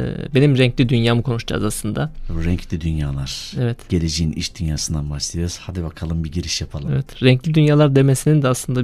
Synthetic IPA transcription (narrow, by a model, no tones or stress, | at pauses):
be̞nimɾɛɲclʲid̪ynjaːmɯkʰo̞nuʃd͡ʒa̰ːzaslˠɯnd̪aɾɛɲclʲid̪ynjaːlˠaɾ̥evɛt̪ɟ̥e̞lʲed͡ʒejinḭʃd̪ynjaːsɯnd̪anbaʃlˠijo̞ɾuz̥had̪ibakʰalˠɯmbiɟiɾiʃjapʰalˠevɛt̪ɾɛɲclʲid̪ynjaːlˠaɾd̪e̞mesinind̪ɛaslˠɯnd̪a